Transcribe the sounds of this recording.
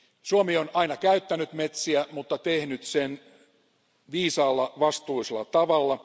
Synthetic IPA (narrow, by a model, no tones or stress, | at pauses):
suomionɑinɑkæyt̪ːænyt̪met̪siæmut̪ːɑt̪ehnyt̪sen | ʋiːsɑːlːɑʋɑst̪uiselːˑɑ̰t̪ɑʋɑlːɑ